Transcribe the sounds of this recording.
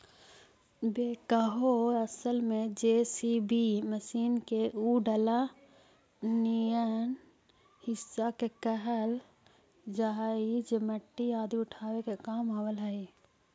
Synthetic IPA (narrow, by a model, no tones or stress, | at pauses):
beːkəɦoɾəsəlmẽd͡ʒeːsibiməsiːnkeʔuɖəla | nijən | hɪsːakekəɦəl | d͡ʒaɦid͡ʒeməʈːiaːd̪iʊʈʰaːwekekaːmawəlɦəi